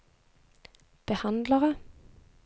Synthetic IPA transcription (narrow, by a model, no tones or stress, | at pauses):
b̥əhɑnd̪ləʁə